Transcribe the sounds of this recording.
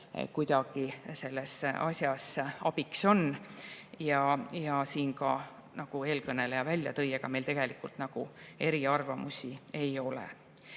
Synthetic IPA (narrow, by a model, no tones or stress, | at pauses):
kujd̪ɑɡ̥ise̞lːe̞sʔɑsjɑsɑbikso̞n | jɑjɑsiːnkɑ | nɑɡ̥ue̞ːlkɤne̞lejɑvælʲjɑt̪ɤ̞jeɡ̥ɑme̞jlt̪e̞ɡ̥e̞likːult̪nɑɡ̥ue̞ɾiɑrvɑmusʲie̞jo̞lḛ